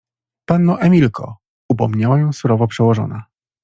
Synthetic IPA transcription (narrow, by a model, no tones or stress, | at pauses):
panːɔʔɛmʲilkʰɔ̰ | upɔmɲawajɔ̃w̃suɾɔvɔpʂɛwɔʐɔ̰na